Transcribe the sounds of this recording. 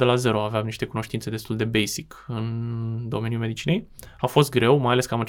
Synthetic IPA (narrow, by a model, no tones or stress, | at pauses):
d̪e̞laze̞ɾo̞aveamniʃt̪e̞kuno̞ʃt̪int̪se̞d̪e̞st̪uld̪e̞bejsikɨnd̪o̞menjulmeit͡ʃine̞j | afo̞st̪̚ɡɾe̞wmajale̞skəamat͡ʃ